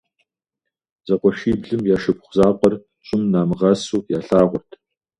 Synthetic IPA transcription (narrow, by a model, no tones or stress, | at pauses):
zɐqʷɔʃiːbɮɨmjaːʃɨpχʷʊzaːqʷʼɔr | ɕʼɪmnaːmɨʁɐsuːjaːɬaːʁʷʊrtʰ